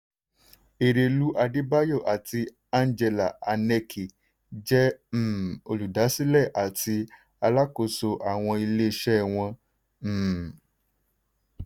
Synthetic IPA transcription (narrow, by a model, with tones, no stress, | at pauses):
e˨ɾe˧lu˦ʔa˧di˦ba˦jo˦˨ʔa˨ti˧ | a˦˧n˦d͡ʒɛ˧la̰˨a˧nɛ˧kʰi˨ | d͡ʒɛ˦m̩˨o˧lu˨da˨˦si˦lɛ˦˨ʔa˨ti˧ | a˧la˦ko˧so˧ʔa˨w̃ɔ̃˧i˧le˦˧ʃɛ˦˨w̃ɔ̃˧˨